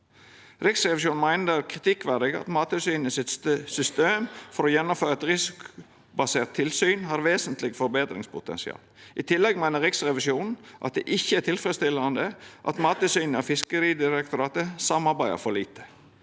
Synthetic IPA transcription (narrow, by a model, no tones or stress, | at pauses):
ɾɪksɾɛʋɪʃuːn̩mæɪnəəkʰɾɪt̪ʰɪkːʋæʁd̪ɪɡɑ̰t̪mɑːt̪əsyːnəsɪt̪sʏst̪eːmfɔɾɔjɛnːɔmføːɾɑɛt̪ɾɪsɪkʊ | bɑseːʁt̪ʰːɪlsyːnɦɑɾʋeːsənt̪lɪɡfɔɾbeːt̪ɾɪ̰ŋspʰʊt̪ɛ̰nsɪ̰ɑ̰ːlʔɪt̪ʰɪlːɛɡmæɪnəɾɪksɾɛʋɪʃuːnn̩ʔɑt̪̚d̪ɛʔɪçːəæt̪ʰɪlfɾɛst̪ɪlːəɑnd̪əʔɑ̰t̪mɑːt̪əsyːnəɔfɪskəɾiːd̪ɪɾɛkt̪ʊɾɑːt̪əsɑmɑɾbæɪə̰ɾfɔɾliːt̪ə̥